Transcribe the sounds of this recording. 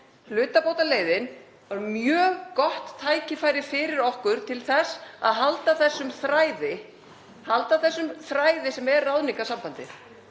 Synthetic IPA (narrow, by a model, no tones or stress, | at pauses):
lʏːt̪apowt̪aleːjðɪn | vaɾmjœːɣkɔht̪ʰːaːjcɪfaːjɾɪfɪːɾɪɾɔhkʏɾ̥t̪ʰɪlθɛsːa̰ðɦalt̪aθɛsːʏmθɾaːjðɪ | halt̪aθɛsːʏmθɾaːjðɪsɛmɛɾrrawðniŋkasampant̪ɪθ